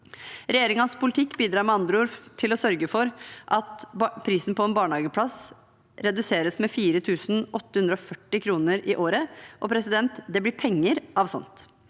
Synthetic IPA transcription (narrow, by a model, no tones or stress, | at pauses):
ɾɛjeːɾɪŋɑnspʰʊlɪt̪ʰɪkːbiːd̪ɾɑːɾmɛɑnd̪ɾʊlft̪ʰɪlɔsœɾɡəfɔɾʔɑt̪pʰɾiːsnpʰɔɛːnbɑːɳɑːɡəpʰlɑs | ɾɛd̪ʉseːɾəsmɛfiːɾət̪ʰʉːsn̩ʔɔt̪ːəhʉnd̪ɾəɔfœʈːɪkʰɾuːnəɾɪʔoːɾəʔɔpʰɾɛsɪd̪ɛnt̪d̪ɛblɪpʰɛŋːəɾʔɑʋsɔ̰nt̪